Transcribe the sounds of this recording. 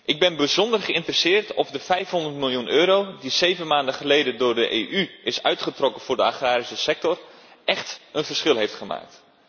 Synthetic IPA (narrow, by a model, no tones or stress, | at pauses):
ʔɪɡ̚bɪnbəzɔndərχəɪntərəsɪːrtɔvdəfɛjfɦɔndərtmɪlˠjunʔøːɾowdizejvənmaːndəχəlejdəndʊːrdəʔeʔyɪsœɥtχətrɔkənfʊːrdəaχaːɾisəsɛk̚tɔrʔɛχtənfərsχɪlˠɦejftχəma̰ːk̚t